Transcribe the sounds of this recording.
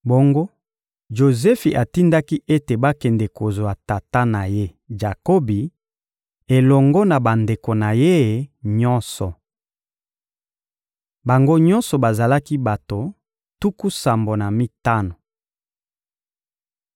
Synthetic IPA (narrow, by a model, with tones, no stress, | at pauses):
bo˦ŋɡo˦ | ʒo˨zɛ˦fi˨ʔa˨ti˦nda˦ki˦ʔe˦te˨ba˦kɛ˨ndɛ˨ko˨zo˨a˨ta˨ta˦na˨je˦ | ʒa˨ko˦bi˨ | e˨lɔ˨ŋɡɔ˦na˨ba˨nde˨ko˨na˨je˦˨ɲɔ˦nsɔ˨ | ba˨ŋɡo˦ɲɔ˦nsɔ˨ba˨za˨la˦ki˦ba˨to˨ | tu˦ku˦sa˨mbo˨na˨mi˦ta˦no˨